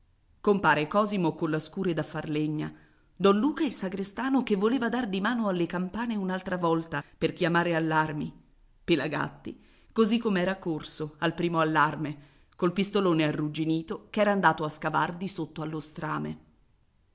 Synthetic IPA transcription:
kompaːɾekɔːzimokolːaskuːɾed̪afːarleɲːa | d̪ɔnluːkailsaɡɾest̪aːnokevːoleːvad̪ard̪imaːnoalːekampaːneunalt̪ɾavɔlt̪aperkjamaːɾealːarmi | pelaɡa̰t̪ːi | kozikːomeɛːɾakorsoalpɾiːmoalːarme | kolpist̪oloːnearːud͡ʒiniːt̪okɛːɾaːnd̪aːt̪oaskava̰rd̪isot̪ːoalːost̪ɾaːmḛ

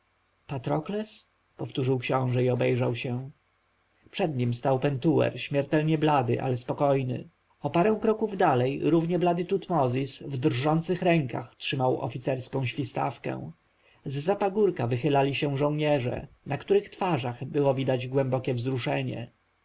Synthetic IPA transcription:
pat̪ɾɔklɛs | pɔft̪uʐɘwkɕɔ̃w̃ʐɛiɔbɛjʐawɕɛ | pʂɛd̪ɲimst̪awpɛnt̪uwɛ̰ɾɕmʲjɛɾt̪ɛlɲɛblad̪ɘ̰ʔa̰lɛspɔkɔjnɘ̰ | ɔpaɾɛ̃w̃kɾɔkuvd̪alɛjɾuvɲɛblad̪ɘt̪ut̪mɔzʲisvd̪rʐɔnt̪sɘxɾɛŋka̰xtʂɘmawɔ̰fʲit̪sɛɾskɔ̃w̃ɕfʲist̪a̰fkɛ̰̃w̃ | zːapaɡuɾkavɘxɘlalʲiɕɛ̃ʐɔ̃w̃ɲɛʐɛ̰ | nakt̪uɾɘxt̪faʐaɣbɘwɔvʲid̪ad͡ʑɡwɛmbɔkʲɛvzɾuʂɛɲɛ̰

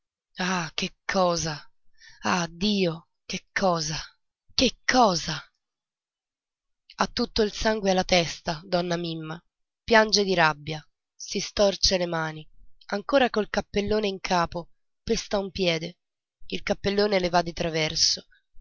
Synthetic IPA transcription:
ak̟ekʰːɔːza | ad̪ːiːo | kekʰːɔːza | kekʰːɔːza | at̪ːut̪ːoilsaŋɡwealːat̪ɛst̪ad̪ɔnːamimːa | pjand͡ʒed̪iɾabːja | sist̪ɔrt͡ʃelemaːniaŋkoːɾakolkapːelːoːneiŋkʰaːpo | pest̪aumpjɛːd̪e | ilkapːelːoːnelevad̪ːit̪ɾavɛrso

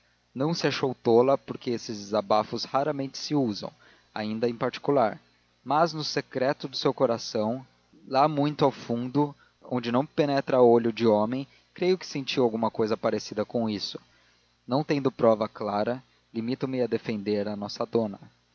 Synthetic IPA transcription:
nɐ̃w̃sɪaʃowt̪olɐpoɾkeesɪzzabafʊshaɾɐmẽnt͡ʃɪ̥sɪuzɐ̰̃w̃ | a̰ĩnd̪ɐẽj̃paɾt͡ʃi̥kulaɾ | mɐznʊsekɾɛt̪ʊd̪ʊsewkoɾasɐ̃w̃ | lamũj̃t̪ʊawfũnd̪ʊ | õ̰ñd͡ʒɪnɐ̃w̃penɛt̪ɾɐoʎʊd͡ʒɪõmẽj̃ | kɾejʊkɪ̥sẽt͡ʃiwawɡũmɐkojzɐpaɾesid̪ɐkõisʊ̥ | nɐ̃w̃t̪ẽnd̪ʊpɾɔvɐklaɾɐ | limit̪ɐ̃mɪad̪efẽnd̪eɾɐnɔsɐd̪õnɐ

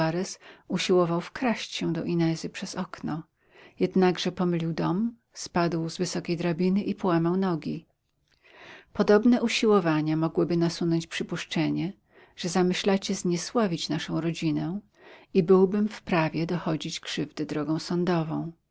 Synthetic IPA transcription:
aɾɛsuɕiwɔvawfkɾaɕt͡ɕɕɛw̃d̪ɔʔinɛzɘpʂɛz̥ɔknɔ | jɛd̪naɡʐɛpɔmɘlʲiwd̪ɔm | spad̪wzvɘsɔkʲejd̪ɾabʲinɘʔipɔwamawnɔɡʲi | pɔd̪ɔbnɛʔuɕiwɔvaɲamɔɡwɘbɘnasunɔɲt͡ɕpʂɘpuʂt͡ʂɛɲɛ | ʐ̥ɛzamɘɕlat͡ɕɛzɲɛswavʲit͡ɕnaʂɔ̃w̃ɾɔd͡ʑinɛ | ibɘwbɘmfpɾavʲjɛd̪ɔxɔd͡ʑit͡ɕkʂɘvd̪ɘd̪ɾɔɡɔ̃w̃sɔnd̪ɔvɔ̃w̃

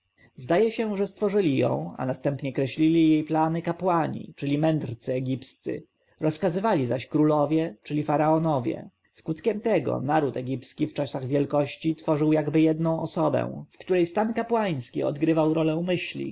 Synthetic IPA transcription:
zd̪ajɛɕɛʐɛst̪fɔʐɘlʲijɔ̰̃w̃a̰nast̪ɛmpɲɛkɾɛɕlʲilʲijejplanɘkapwaɲḭt͡ʂɘlʲimɛnd̪ɾt̪sɘɛɡʲipst̪sɘ̰ | ɾɔskazɘvalʲizaɕkɾulɔvʲjɛt͡ʂɘlʲifaɾaɔnɔvʲjɛ̰ | skut̪kʲɛmt̪ɛɡɔ̰naɾut̪ɛɡʲipskʲift͡ʂasaɣvʲjɛlkɔɕt͡ɕit̪fɔʐɘwjaɡbɘjɛd̪nɔ̃w̃ɔsɔbɛ̰̃w̃fkt̪uɾɛjst̪ankapwaj̃skʲiɔ̰d̪ɡɾɘvawɾɔlɛmɘɕlʲḭ

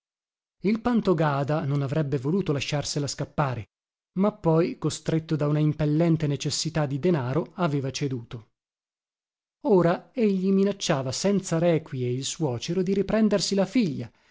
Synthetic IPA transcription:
ilpant̪oɡaːd̪anonavɾɛbːevoluːt̪olaʃːarselaskapːaːɾe | mapːɔjkost̪ɾet̪ːod̪aunaimpelːɛnt̪enet͡ʃesːit̪ad̪ːid̪enaːɾoaveːvat͡ʃed̪uːt̪o | oːɾaeʎːiminat͡ʃːaːvasɛnt̪saɾɛːkwjeilswɔːt͡ʃeɾod̪iɾipɾɛnd̪ersilafiʎːa

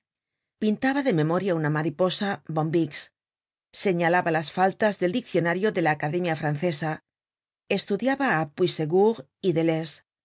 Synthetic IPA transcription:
pint̪aβaðe̞me̞mo̞ɾjaunamaɾipo̞sabo̞mbiks | se̞ɲalaβalasfalt̪azðeld̪ik̚θjo̞naɾjoðe̞laːkaðe̞mjafɾanθe̞sa | e̞st̪uðjaβaːpwiseɣuɣ | iðeles

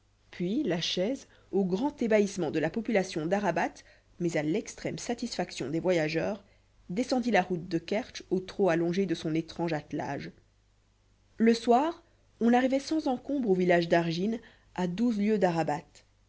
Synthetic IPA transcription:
pɥilaʃɛz | oɡʁɑ̃t̪ebaismɑ̃d̪əlapɔpylasjɔ̃d̪aʁabat̪ | mɛzalɛkst̪χɛmsat̪isfaksjɔ̃d̪evwajaʒœːʁ | d̪esɑ̃d̪ilaʁut̪̚d̪əkɛʁʃot̪χoalɔ̃ʒed̪əsɔ̃net̪χɑ̃ʒat̪la̰ːʒ | ləswaːʁ | ɔ̃naʁivɛsɑ̃zɑ̃kɔ̃bʁovilaʒd̪aʁʒin | ad̪uzljød̪aʁabat̪

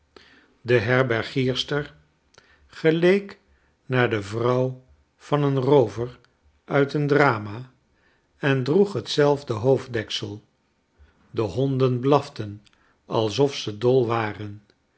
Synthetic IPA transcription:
dəɦɛɹbɛɹχiːɹstəɹ | χəlejk | naːɹdəvrʌw | v̥ɑnənrowvər | œɥtəndraːma | ɛndruχɦətsɛlˠvdəɦowvdɛksəlˠ | dəɦɔndənblɑftən | ɑ̰lˠsɔfsədɔlˠʋaːrən

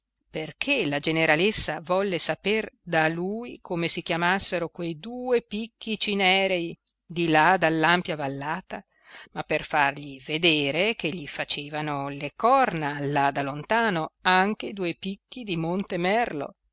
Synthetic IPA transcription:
perkʰelad͡ʒeneɾalesːavɔlːesaperd̪aluːjkʰomesikjamasːeɾokwejd̪uːepikːit͡ʃinɛːɾei | d̪ilad̪alːampjavalːaːt̪a | mapːerfarʎived̪eːɾekeʎːifat͡ʃeːvanolekɔrnalad̪alont̪aːnoaŋk̟eid̪uːepikːid̪imont̪emɛrlo̰

